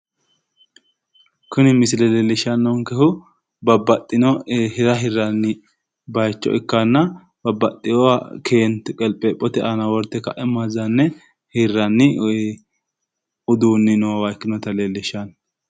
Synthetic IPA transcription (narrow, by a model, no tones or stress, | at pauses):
kʊnɪmɪsɪlɛleːlːɪʃɐnːɔŋkɛhʊ | bɐbːɐt̪ʼːɪnɔhɪɾɐɦɪrːɐnːɪ | bɐjt͡ʃːɔ̰ʔɪkːɐnːɐ | b̥ɐbːɐt̪ʼːɪjɔakʰe̞ːnt̪ɛkʼɛlpʼːɛpʼɔt̪ɛʔɐnɐwɔɾt̪ːɛkɐʔɛmɐzɐnːɛ | hɪrːɐnːɪ | ʊd̪uːnːɪnowɐkːɪnɔt̪ɐleːlːɪʃɐn